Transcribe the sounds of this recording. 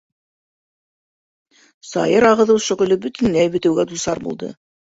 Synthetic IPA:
sɑ̰jɤɾɑʁɤ̆ðɤwʃɵ̆ʁɵ̆lɘbɵt̪ɘ̆nlæjbɵ̆t̪ɘ̆wɡæd̪usɑɾbṵlˠd̪ɤ̰

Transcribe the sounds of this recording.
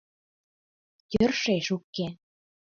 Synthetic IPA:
jørʃeʃukːe

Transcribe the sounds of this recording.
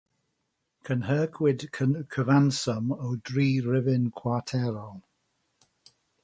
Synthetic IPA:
kʰənɦəːkʰwɪd̥kʰənkʰəvansɔmɔwdɹiːɹɪvɪnkʰw̥atʰɛɹɔlˠ

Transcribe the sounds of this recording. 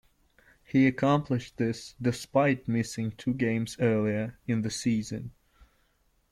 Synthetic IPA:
hiɨkʰɑ̃mpʰlɨʃðɪsdɨspaɪt̚mɪsɪ̃ŋtʰʉɡẽɪ̃mz̥ɜ˞lˠiə˞ɨ̃nðɨsizɨ̰̃n

